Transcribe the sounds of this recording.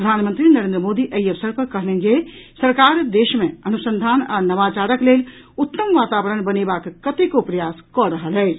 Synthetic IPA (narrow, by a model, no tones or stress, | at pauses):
əd̪ʱaːnmə̃nt̪ɾinəɾẽnd̪ɾəmod̪iʔəjəʋsəɾpəɾkɐɦned͡ʒesəɾkaːɾd̪eːʃmẽɐnusə̃nd̪ʱaːnanɐʋat͡ʃaɾəklel | ut̪ːəmʋaːt̪aːʋəɾənbənebakːət̪ekopɾɐjaskɔɾəɦəlɛːt͡ʃʰ